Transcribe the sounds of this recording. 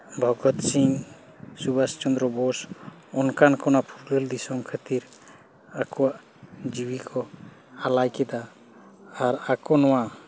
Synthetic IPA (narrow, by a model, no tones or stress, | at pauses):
bʱɔɡɔt̪siŋ | subast͡ʃɔnd̪ɾɔbɔs | ɔnkankɔnapʰuɾləld̪isɔmkʰət̪iɾ | akɔwaʔ | d͡ʒiwikʰɔ | alajkɛd̪aː | ɾakɔnɔwa